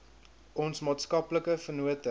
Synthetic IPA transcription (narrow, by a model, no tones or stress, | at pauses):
ʔɔnsmɑːtskɐpləkəfərnuətə